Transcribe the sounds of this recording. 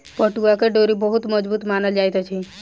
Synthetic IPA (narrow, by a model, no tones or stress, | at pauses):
pɔʈuakeɖoɾibɔɦut̪məd͡ʒbut̪manəld͡ʒajt̪ɔt͡ʃʰi